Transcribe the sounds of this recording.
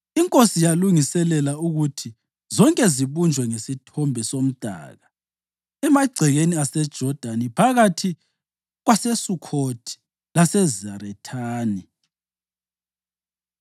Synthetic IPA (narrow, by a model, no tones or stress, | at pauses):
iŋkʼosijaluŋisɛlɛlauɣutʰi | zɔŋkʼɛziβund͡ʒʱwɛŋesitʰɔmbʱɛsom̩d̥ʱa̰ːɣa | ɛmaɡ͡ǀʱɛɣeniasɛd̥ʒ̥ʱɔd̥ʱanipʰaɣatʰi | ɣwasɛsukʰotʰi̥ | lasɛzaɾɛtʰaːni